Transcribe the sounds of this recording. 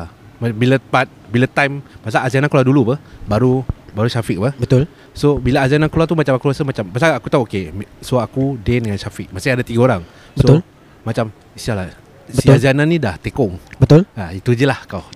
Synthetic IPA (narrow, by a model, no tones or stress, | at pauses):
mabilapat̪̚bilat̪ajmbasaazanankladulubəhbaɾubaɾuʃafik̚pəhbət̪ʊl | sobilaazananklat̪umat͡ʃamakuasəmat͡ʃambasaakut̪auokemsoakudɛndəŋanʃafɪk̚masiadat̪iɡaoɾaŋ | bəsol | mat͡ʃam | isala | siaziananːidaht̪ekɔŋbət̪ʊlait̪ud͡ʒəlahkaw